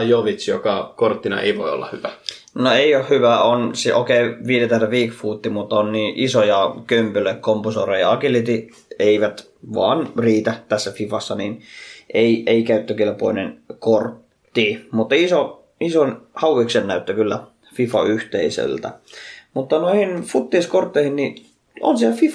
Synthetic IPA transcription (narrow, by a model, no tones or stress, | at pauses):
joʋit͡ʃjokɑkort̪ːinɑ̰ʔḛiʋoio̰lːɑ̰hyʋæ | noeiohhyʋæonsiʔo̰keiʋiːdet̪æt̪æʋiːkfuːt̪ːimut̪ːonniːʔisojɑkømpøløkkomposoːrejɑɑkilit̪i | eiʋæt̪ | ʋɑ̰ːnriːt̪æt̪æsːæfifɑsːɑninʔeieikæyt̪ːøkilpo̰inḛnkort̪ː | iːmut̪ːiso | isonhɑuʋiksennæyt̪ːøkylːæ | fifɑ̰yht̪eisø̰lt̪æ̰mut̪ːɑnoihinfut̪ːiːskort̪ːeihinni | o̰nsiælfifɑ